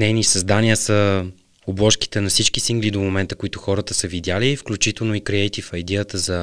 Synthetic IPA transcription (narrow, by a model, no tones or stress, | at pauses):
nɛjnisɐzd̪aniəsə | oblˠɔʃki̥t̪ɛnɐfsit͡ʃkisiŋɡlid̪omomɛnt̪əkoit̪ʊxɔɾət̪əsəvid̪ʲjalifklʲut͡ʃit̪ɛlˠnoikɾiɛjt̪ifɐjd̪ɛət̪əzɐ